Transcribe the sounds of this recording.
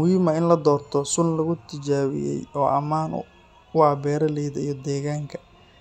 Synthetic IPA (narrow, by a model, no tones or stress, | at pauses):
ʊɪmɐɪnlɐd̪ɔːrt̪ʰɔsʊnlɐɣʊt̪ʰɪt͡ʃaːwɪ̰jɛ̰jɔːʔɐmaːnʊ̰ | waːbɛːɾɐlɛjðɐijɔd̪ɛːɣaːŋkʰɐ̥